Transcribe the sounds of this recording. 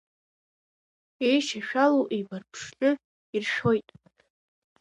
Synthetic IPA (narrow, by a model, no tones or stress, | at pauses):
ejʃaʃᶣaloʔejbarpʰʂt͡ʃʼʊ | irʃojtʼ